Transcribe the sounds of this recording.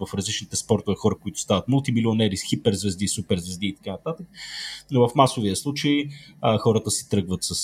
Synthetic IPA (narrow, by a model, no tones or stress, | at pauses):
vɐfɾɐzlit͡ʃnit̪ɛspɔɾt̪ʊvɛxɔɾəkoit̪ʊ̥st̪avɐt̪mulˠt̪imilionɛɾisxipɛɾzvɛzd̪isupɛɾzvɛzd̪iːt̪ɐ̥kanɐt̪at̪ək̚novəfmasoviəslˠut͡ʃəjxɔɾət̪əsi̥t̪ɾɤɡvət̪sɐs